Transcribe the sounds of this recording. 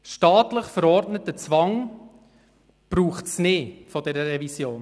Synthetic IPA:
ʃtɑːtləχfəɾɔrtnətət͡svɑŋ | b̥ɾuːχtsneːfɔdɛɾəɾɛvisjoːn

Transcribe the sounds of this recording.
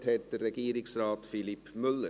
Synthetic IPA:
thɛt̚d̥ərːɛɡ̥iːɾɪksɾɑːtfɪlipmʏlːə

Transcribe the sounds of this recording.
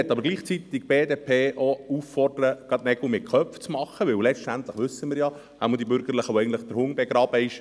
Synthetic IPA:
ɛt̪ːɑbəɾɡ̥liːχt͡sit̪ɪɡb̥eːdeːpʰeːʔouffɔrd̥əɾəɡ̥ɑt̪nɛɡumɪt̚kʰœpft͡smɑχəʋɪwlɛt͡ʃtænt̪ləχʋʏsəmɪːɾjɑ | haməd̪ibʏɾɡ̥əɾləχaʊɛjɡntləχd̥əɾhʊŋbɛɡɾɑːb̥əɪʃ

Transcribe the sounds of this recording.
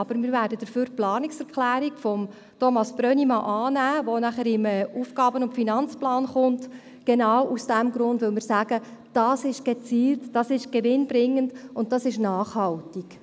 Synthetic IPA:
ɑb̥əɾmɪɾvæːɾdəd̥əɾføːɾplɑːniksɛɾkχlæːɾikfɔm | tʰomɑsb̥ɾœnimɑʔɑːnæːʋonæχəɾɪmɛʔufɡ̥ɑːbənʊntfinɑnt͡splɑːnχʊnt | ɡ̥enɑwʔusd̥æmɡɾʊndvɵlmɪːɾsæːɡ̥əd̥ɑsɪʃɡ̥et͡siːltd̥ɑsɪʃɡ̥eʋɪnbɾɪŋːəndʊnt̚dɑsɪʃnɑːχhɑltik

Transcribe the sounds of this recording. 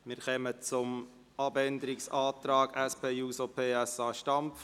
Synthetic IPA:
mɪɾχɛmət͡sʊm | ɑbɛnd̪əɾɪksɑːt̪ɾɑːɡ̥ɛspʰeːjuːsopʰeːɛsɑːʃtɑmf

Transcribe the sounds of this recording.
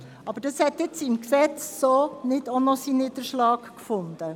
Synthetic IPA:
ɑb̥əɾd̥ɑshɛtjɪt͡sɪmksɛt͡ssoːnɪdonɔsinɪːdəɾʃlɑːk | fʊnd̪ə

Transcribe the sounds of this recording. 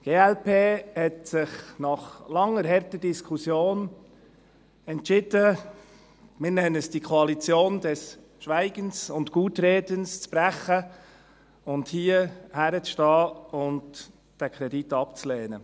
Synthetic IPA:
ɡ̥eːɛlpeːhɛtsɪχnɑχlɑŋːəɾɦɛrtəd̥iskʰusjoːn | ɛntʃɪd̥ə | mɪnɛnəsd̥ikʰoɑlit͡sjoːndɛs | ʃʋæɪɡ̥ənsʊntɡuːtɾeːdənst͡sb̥ɾæχə | ʊnthiːəhæɾət͡sʃtɑːʊnt | d̥ækʰɾɛditɑpt͡sleːnə

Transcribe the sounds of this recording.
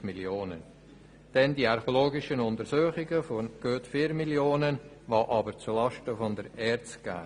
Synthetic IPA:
miljoːnə | d̥ɛndiɑɾχoloːɡɪʃənʊnt̪əɾsuːχɪɡəfoɡ̥øːtfiːɾmiljoːnən | ʋɑːʔɑbəɾt͡sulɑʃtəfɔndəɾɛɾt͡sɡ̥a̰ː

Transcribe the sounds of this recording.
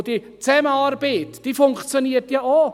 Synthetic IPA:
d̥i | t͡sɛməɑɾbeːtd̥iːfʊŋkt͡sjoniətjɑoː

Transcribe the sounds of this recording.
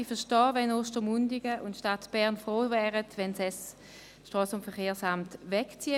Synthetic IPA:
ifɐʃtɔːvɛnoːʃtəmundɪɡəʔʊntʃtatb̥ɛɐnfʁoːvɛːʁətʋɛnsɛs | ʃtʁɔːsʊntfɛχeːɐsamtvɛkt͡siː

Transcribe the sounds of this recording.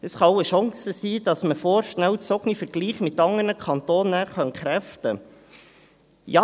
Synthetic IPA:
əsχɑwəʃɔŋsəsiːd̥ɑsməfoːɾʃnæwt͡sɔɡ̥nifəɾɡ̥liːχmɪt̪ːɑŋəɾnəkʰɑnt̪oːnəχɑnkχɾæftə | jɑ

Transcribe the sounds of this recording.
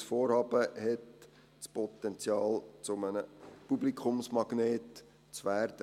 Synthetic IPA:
sfoːɾhɑːbəhɛt | spɔt̪ɛnt͡sjɑːlt͡sʊmənəpublikʰχʊmsmɑɡ̥neːt | t͡sʋæːrd̥ə

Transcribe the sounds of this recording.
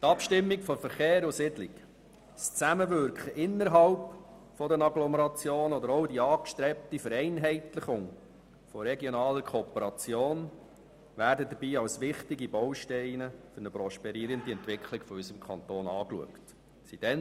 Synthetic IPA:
t̪ɑpʃtɪmːikfɔfəɾχeːɾʊsɪdlɪk | st͡sæməʋʏɾkχəʔɪnːəɾɦɑlp | fɔdənɑɡlɔməɾɑt͡sjoːnɔd̪əɾɔʊdiɑːkʃtɾɛp̚tifəɾɛɪnɦɛɪtləχʊŋ | fɔɾɛɡjɔnɑːləɾkʰoːpəɾɑt͡sjoːn | ʋæːɾdəd̪əbiːɑwsʋɪχtɪɡibɔwʃtɛɪnəfɵɾnəpɾɔʃpɛɾiːəɾəndiɛntʋɪkʰlɪɡ̥fɔysəmkʰɑnt̪oːnɑ̰ːklṵəkt | sid̥ɛn

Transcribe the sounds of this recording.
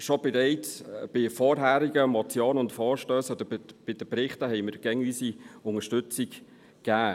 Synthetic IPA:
ʃɔb̥ɛɾɛɪtb̥ɪfɔːɾɦæːɾiɡəmɔt͡sjoːnʊntfɔːɾʃtøːsɔd̪əɾb̥ɪd̥əpɾɪχtəɦɛɪməɾɡ̥ɛŋyːsiʊŋəʃtʉt͡sik | kːæː

